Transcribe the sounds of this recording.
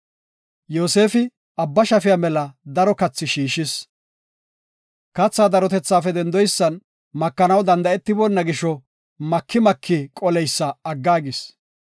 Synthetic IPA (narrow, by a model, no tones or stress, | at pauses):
joːse̞ːfɪ | ɐbːɐʃɐfɪjamɛlɐd̪ɐɾɔkɐt͡sːɪʃiːʃɪs | kɐt͡sːaːd̪ɐɾɔt̪ɛt͡sːaːfɛd̪ɛnd̪ɔjsːɐn | mɐkːɐnɐwd̪ɐnd̪ɐɛt̪ːɪbɔnːɐɡɪʃɔ | mɐkʰːɪmɐkʰːɪkʼɔlɛjsːɐɐɡːaːɡɪs